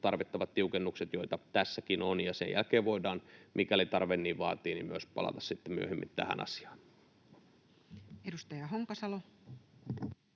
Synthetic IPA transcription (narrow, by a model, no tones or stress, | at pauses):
t̪ɑrʋit̪ːɑʋɑt̪t̪iukenːukset̪joit̪ɑt̪æsːækinonjɑsḛjjæ̰lkeːʋʋoidɑːnmʔikælit̪ɑrʋenːiːʋʋɑ̰ːt̪iːnimyø̰spɑ̰lɑ̰t̪ɑssit̪ːemyøhemːḭnt̪æ̰hæ̰nʔɑ̰si̥ɑ̥ːn | edust̪ɑjɑɦoŋkɑsɑlo